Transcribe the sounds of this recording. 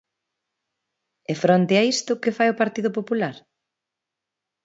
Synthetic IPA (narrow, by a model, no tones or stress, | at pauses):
ɛfɾont̪eaist̪ʊkɪfajopaɾt̪iðʊpopulaɾ